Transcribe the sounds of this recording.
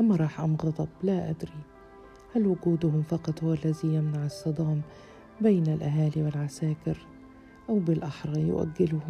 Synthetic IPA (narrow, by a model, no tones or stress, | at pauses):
ʔamːaɾˤɑːħʔamɣɑd̪ˤɑblaʔa̰d̪ɾi | halwʊɡuːd̪ʊhʊmfɑqɑt̪ˤhʊwalːazijamnaʕɪsˤːɑd̪ˤɑːm | beːnalʔaɦaːliwɪlʕasaːkɪɾ | ʔawbɪlʔaħɾˤɑjʊ̰ʔa̰ɡːɪlʊh